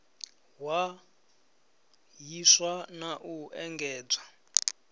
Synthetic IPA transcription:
wa | jiʂwanaʔuɛŋɡɛːb͡ʐa

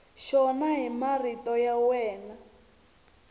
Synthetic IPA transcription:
ʃɔnaɦimaritɔjawɛːna

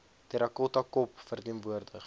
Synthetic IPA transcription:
tɛɾɐkɔtɐkɔpfərtiənvuərdəχ

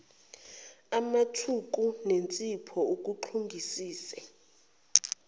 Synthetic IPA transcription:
amatʰuk̬ʼunent͡sʼipʰɔuk̬ʼuǃʰuŋɡʱisiːsɛ

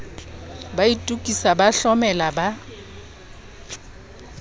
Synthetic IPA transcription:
baitʼukʼisabaɬɔmɛlaba

